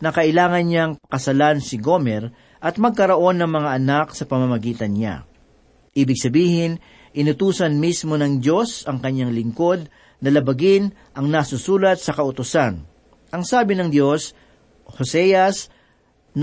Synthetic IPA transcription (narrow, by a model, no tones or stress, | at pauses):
nɐkɐʔɪlaːŋɐnɲaŋkɐsɐlansɪɡo̞mɛɾ | ʔɐt̪̚mɐɡ̚kɐɾɐʔo̞nːɐŋmɐŋaʔɐnaksɐpɐmɐmɐɡiːt̪ɐnɲa̰ | ʔiːbɪɡ̚sɐbiːhɪn | ʔɪnʊt̪uːsɐnmismo̞nɐŋd̪jo̞sɐŋkɐɲːaŋlɪŋko̞d̪̚ | nɐlɐbɐɡɪn | ʔɐŋnasusuːlɐt̪̚sɐkɐʔʊt̪ʊsan | ʔɐŋsaːbɪnɐŋd̪jo̞s | hosɛjɐs | n